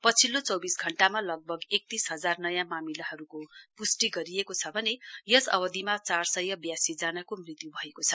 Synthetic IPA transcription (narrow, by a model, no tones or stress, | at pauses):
pʌt͡sʰilot͡sʌwbisɡʱʌɳʈamalʌɡ̚bʱʌɡek̚t̪isɦʌd͡zarnʌjãmamilaɦʌɾukopusʈiɡʌɾiekot͡sʰʌbʱʌnejʌsʌ̰bʌd̪ʱimat͡sarsʌjʌbjasid͡zanakomrit̪jubʱʌekot͡sʰʌ̥